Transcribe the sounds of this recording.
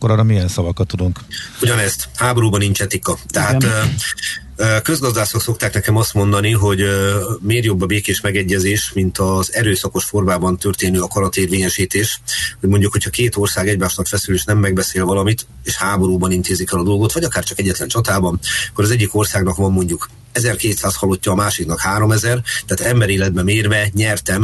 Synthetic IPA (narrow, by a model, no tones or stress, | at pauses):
kːoɾɒːɾɒmijɛnsɒvɒkɒt̪ːud̪uŋkuɟɒnɛst̪haːbo̞ɾuːbɒnint͡ʃɛt̪ikɒt̪ɛɦat̪ | køzɡɒzd̪aːsokso̞k̚t̪aːknɛkɛmɒst̪mo̞nd̪ɒniɦo̞ɟmeːrjo̞bːɒbeːkeːʃmɛɡɛɟːɛzeːʃmint̪ɒzɛɾøːsɒko̞ʃfo̞rmaːbɒnt̪ø̞rt̪eːnøːɒkɒɾɒt̪eːrʋeːɲɛʃiːt̪eːʃho̞ɟmo̞ɲɟukho̞cʰhɒkeːt̪o̞rsaːɡɛɟmaːʃnɒkfɛsyleːʃnɛmːɛɡbɛseːlvɒlɒmit̪eːʃhaːbo̞ɾuːbɒnint̪eːzikɛlɒd̪o̞lɡo̞t̪ʋɒɟɒkaːrt͡ʃɒkɛɟːɛt̪lɛnt͡ʃɒt̪aːbɒnɒkːoɾɒzɛɟːiko̞rsaːɡnɒkʋɒmːo̞ɲɟuk | ɛzɛrkeːt̪saːshɒlːo̞cːɒːmaːʃiknɒkhaːɾo̞mɛzɛrt̪aːt̪ɛmbɛɾeːlɛd̪̚bɛmeːrvɛɲɛrt̪ɛm